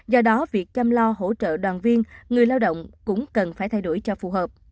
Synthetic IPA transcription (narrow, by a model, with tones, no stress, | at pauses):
zɔ˧ɗɔ˨˦vi˨˩ək̚t͡ɕa˧mlɔ˧ɦo̰˧˥t͡ɕə̰ː˧˨ɗwaː˨˩nvi˧ənŋɨ˨˩əjlaː˧wɗə̰˧˨wŋ͡mkʊ̰˧˥ŋ͡mkə˨˩nfaː˧˩jt̪ʰa˧jɗu˧˩jt͡ɕɔ˧fu˨˩ɦəː˨˩p̚